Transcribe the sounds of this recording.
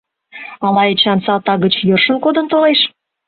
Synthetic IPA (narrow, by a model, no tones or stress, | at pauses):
ɑmɑjet͡ɕɑnsɑt̪ɑɣət͡ɕjørʃə̆nkod̪ə̆nt̪oleʃ